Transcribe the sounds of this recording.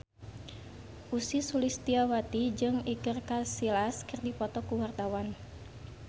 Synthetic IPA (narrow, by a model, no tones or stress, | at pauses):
ʔusisulist̪iawat̪id͡ʒɨŋikɨrkasilaskərdipɔt̪ɔkuwart̪awan